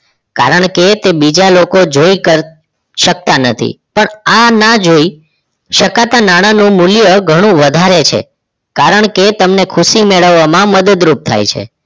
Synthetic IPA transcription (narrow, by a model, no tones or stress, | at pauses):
ka̰ɾəɳket̪ebid͡ʒalokod͡ʒoikəɾ | ʃək̚t̪anət̪ʰḭpəɳanad͡ʒoi | ʃəkat̪anaɽ̃anũmuljəɡʱəɽ̃ũʋəd̪ʱaɾet͡ʃʰḛ | kaɾəɳket̪əmnekʰusimeɭəʋːamãməd̪əd̪ɾup̚t̪ʰa̰jt͡ʃʰḛ